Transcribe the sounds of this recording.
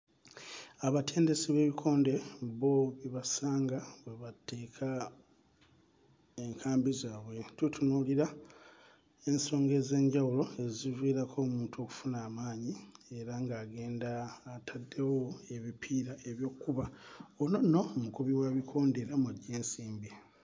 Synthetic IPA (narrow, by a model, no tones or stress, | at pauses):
aβatʰe̞ːnde̞siβe̞βikʰo̞ːnde̞βo̞βiβasaːŋɡaβwe̞βate̞ːkʰa | eŋkʰaːmbizaːβwe̞tutʰunuːliɾa | e̞nso̞ːŋɡe̞ze̞ːɲɟawulo̞e̞zivwiːɾakʰo̞ːmuːntʰuo̞ku̥funaːmaːɲie̞ɾaŋɡaːɡe̞ːndaːtʰadːe̞wo̞e̞βipʰiːɾaeβjo̞ːkːuβaonono̞mukuβiwaβikʰo̞ːnde̞ɾamwaɟːe̞ːnsiːmbi